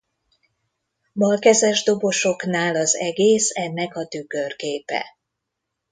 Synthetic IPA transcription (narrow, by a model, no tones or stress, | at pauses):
bɒlkɛzɛʒd̪o̞bo̞ʃo̞knaːlɒzɛɡeːsɛnːɛkɒt̪yɡørkeːpɛ̰